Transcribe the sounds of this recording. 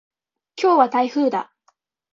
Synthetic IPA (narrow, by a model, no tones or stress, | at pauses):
kʲʰo̞ːβat̪aiɸɯ̟ːd̪a̰